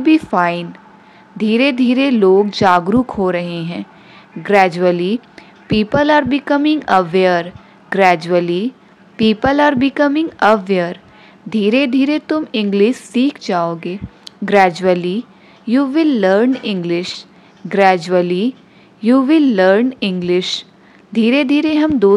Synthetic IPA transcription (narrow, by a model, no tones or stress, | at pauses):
biːfaːɪn | d̪ʱiːɾed̪ʱiːɾeloːɡd͡ʒaːɡɾʊkɦoɾɐɦeɦɛ̃ː | ɡɾɛːd͡ʒuəli | piːpəlaːɾbɪkəmɪ̃ŋɡɐʋeəɾ | ɡɾɛːd͡ʒəli | piːpəlaːɾbɪkəmɪ̃ŋɡəʋeəɾ | d̪ʱiːɾed̪ʱiːɾet̪ʊmɪ̃ŋɡlɪʃsiːkʰd͡ʒaːoːɡeːɡɾɛːd͡ʒuəli | juːʋɪlːəɾnɪ̃ŋɡlɪʃ | ɡɾɛːd͡ʒuəli | juːʋɪlːəɾnɪ̃ŋɡlɪʃ | d̪ʱiːɾed̪ʱiːɾeɦɐmd̪oː